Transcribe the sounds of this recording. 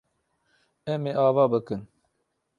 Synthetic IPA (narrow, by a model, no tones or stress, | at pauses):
ɛmeːʔɑːvɑːbɨkɨn